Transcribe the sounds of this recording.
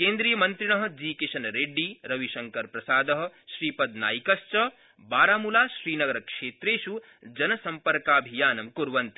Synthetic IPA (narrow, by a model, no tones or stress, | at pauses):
kẽːnd̪ɾiːjɐmɐnt̪ɾiɳ̃ɐɦɐ̆d͡ʒiːkiʃɐnɾeːɖːiɾɐʋiʃɐŋkɐɾpɾɐsaːd̪ɐɦɐ̆ʃɾiːpɐd̪na̰ːjkɐst͡ʃɐ | baːɾaːmulaːʃɾiːnɐɡɐɾɐkʃeːt̪ɾeːʃu | d͡ʒɐnɐsɐmpɐɾkaːbʱijaːnɐmkuɾʋɐnt̪i̥